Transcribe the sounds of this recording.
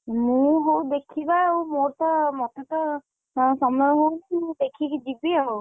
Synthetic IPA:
mũɦowd̪ekʰibawmoɾt̪ɔmɔt̪et̪ɔ | sɔmɔɦowkĩd̪ekʰikd͡ʒibiaow

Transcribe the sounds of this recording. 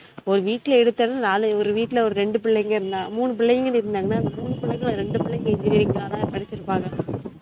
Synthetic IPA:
ɔɾɯʋiːʈːɪlɐɛɽɯt̪ːɐɾnɯnaːlɯɔɾɯʋiːʈːɪlɐɔɾɯɾɛɳɖɯpɪɭːɐjŋɡɐɪɾɯnd̪ãːmuːnɯp̬ɪɭːɐjɐŋɡɐnɯɪɾɯnd̪aːŋɡɐnaːɪnd̪ɐmuːnːɯpɪɭːɐŋɡɐɭɾɛɳɖɯpɪɭːɐjɪŋɡɐd͡ʒɪɾiɾiːŋɡaːnãːpɐɽɐt͡ʃːɪɾɯpːaːŋɡɐ

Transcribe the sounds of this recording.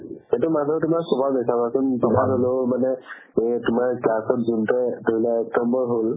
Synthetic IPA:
etumadʱɔtʊmaksɔbabɛsabasʊnsɔbʱalɔlomanɛ | tʊmaɹklasɔtzuntɛdoɦilaɔk̚tɔmbɔɹɦol

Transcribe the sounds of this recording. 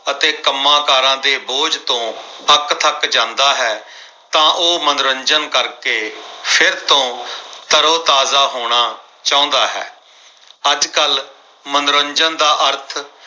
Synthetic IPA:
ət̪eːkəmːãːkaːɾãːd̪eːboːd͡ʒt̪õːpəkt̪ʰəkd͡ʒãːnd̪aːɦɛː | t̪ãːʔoːmənɾəɲd͡ʒənkəɾkeːpʰɪɾt̪õːt̪əɾoːt̪aːzaːɦoːɽ̃aː | t͡ʃãːõːnd̪aːɦɛ̰ː | əd͡ʒkəl | mənɾəɲd͡ʒənd̪aːʔəɾt̪ʰ

